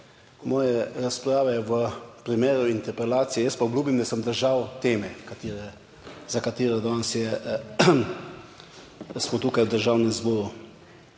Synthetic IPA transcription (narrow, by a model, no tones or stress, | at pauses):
mɔːjɛɾaspɾaːʋɛjɛʋəpɾimeːɾuint̪ɛɾpɛlaːt̪sijɛjəspaɔbluːbimd̪asəmd̪əɾʒawt̪eːmɛkat̪ːɾɛ | zakat̪iːɾɛd̪ɔnsjɛ | smɔt̪uːkajwd̪əɾʒawnɛmzbɔːɾu